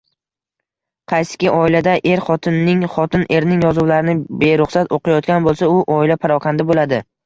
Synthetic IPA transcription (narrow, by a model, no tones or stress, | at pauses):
qʰɑjsɪ̥kʲɪʔɒɪlad̪aʔe̞ɾχɒt̪ʰɪnːɪŋχɒt̪ʰɪnʔe̞ɾnɪŋjɒzuwlaɾɪnɪbe̞ɾʊχsat̪oqajɒt̪̚kʲanbolˠsaʊʔɒɪlapʰaɾɒqʰɑnd̪abolad̪ɪ